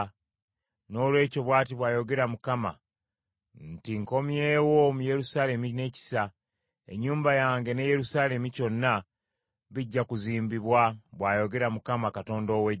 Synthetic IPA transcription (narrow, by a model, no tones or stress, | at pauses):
no̞ːlwe̞ːco̞βwaːt̬iβwaːjo̞ɡe̞ɾamukama̰ | ntiŋko̞mje̞ːwomuje̞ɾusaːle̞mine̞ːci̥sa | e̞̰ɲːuːmbajaːŋɡe̞neje̞ɾusaːle̞mico̞nːa | βiɟːakuziːmbiβwaβwaːjo̞ɡe̞ɾamukamakato̞ːndowe